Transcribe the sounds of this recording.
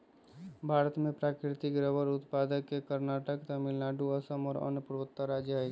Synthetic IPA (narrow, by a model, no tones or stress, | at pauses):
bʱaːɾət̪mẽpɾakɾɪt̪ɪkɾəbəɾʊt̪paːd̪əkːekəɾnaʈəkt̪amɪlnaɖuəsəmɔːɾə̰npuɾʋət̪ːəɾad͡ʒjəeɡ